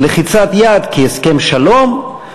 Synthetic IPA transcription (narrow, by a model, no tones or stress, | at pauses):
leχit͡sat̪jad̪kieskemʃalo̞m